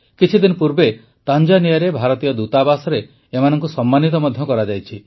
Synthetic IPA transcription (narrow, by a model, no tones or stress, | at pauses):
kit͡ʃʰid̪inɔpuɾbe | t̪and͡ʒanijaɾebʱaɾɔt̪ijɔd̪ut̪abasɔɾeː | manɔŋkusɔmːanit̪ɔmɔd̪ʱjɔkɔɾad͡ʒajt͡ʃʰi